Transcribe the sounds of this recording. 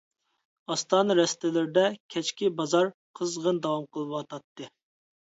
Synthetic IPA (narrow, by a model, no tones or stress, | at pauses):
ɑst̪ɑːnɨɾɛst̪ɪlɪɾɪd̪ɛkʲʰɛt͡ʃkʲibɑzɑɾqʰəzʁənd̪ɑwɑmqʰəlˠɨwɑt̪ʰɑt̪ːɨ